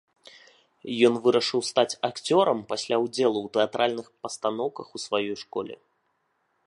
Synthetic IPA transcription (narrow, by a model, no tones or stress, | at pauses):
jɔnvɨɾɐʂɨwst̪at͡sʲakt͡sʲɔɾɐmpasʲlʲawd͡zʲɛlˠuwt̪ɛat̪ɾʔalʲnɨxpɐst̪anɔwkɐxusvajɔjʂkɔlʲɛ̰